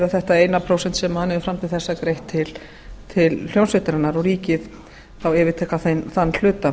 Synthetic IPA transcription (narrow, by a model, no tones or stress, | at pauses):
ðaθɛht̪aeːjnapʰɾowsɛn̥t̪sɛmahanhɛvɪfɾamt̪ʰɪlθɛsːakɾejht̪ʰːɪl | t̪ʰɪll̥jownsvet̪ɪɾanaɾɔɣriːcɪð | awɛːvɪɾt̪ʰɛhkaθejnθanːl̥ʏːt̪a